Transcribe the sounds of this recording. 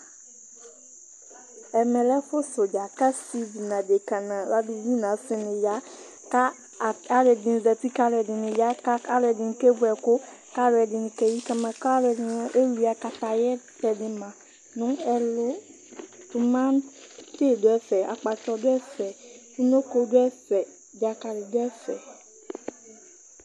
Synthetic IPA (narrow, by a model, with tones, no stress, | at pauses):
ɛ˨mɛ̃˨lɛ˦ɸʊ˦so˨d͡ʒa˨ka˦si˦di˨nã˨de˨ka˨nã˨la˦du˨wi˦nã˨˦fɪ˦nɪ̃˨ja˦ | ka˦˨ | a˦lɛ˨dɪ̃˨n˨zɛ˨pi˦ka˦lɛ˨dɪ˨nɪ̃˨ja˦ka˦a˦lɛ˨dɪ˨n˨kɛ˦vu˦ɛ˨kʊ˦ka˦ɾɛ˨dɪ˨n˨kɛ˦ji˦ka˦mã˨ka˦ɾɛ˨dɪ˨ɔ˦ʔe˦wi˨a˨ka˨ta˨jɛ˦tɛ˨dɪ˨mã˨ | nʊ̃˨˦ɛ˨lʊ˦ | tʊ˨mã˦nte˦˨dʊ˨˦ɛ˦fɛ˨a̰˨k͡pa˨t͡ʃɔ˨dʊ˦ɛ˦fɛ˨fu˦no˦ko˦dʊ˦ɛ˦fɛ˨ | d͡ʒa˨ka˨ɾɪ˨dɛ˦fɛ̰˨